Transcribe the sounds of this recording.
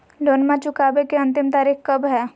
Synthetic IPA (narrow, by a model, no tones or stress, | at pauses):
loːnmãt͡ʃʊkaːbekeɐ̃nt̪ɪmt̪aːɾiːxkɐbɦɛː